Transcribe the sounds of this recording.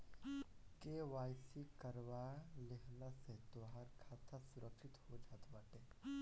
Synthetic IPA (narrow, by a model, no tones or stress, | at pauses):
keːʋaːjsikəɾʋaleɦnaset̪oːɦaɾkʰaːt̪ʰasʊɾʔəkʃɪt̪hod͡ʒaːt̪baːʈ̪eː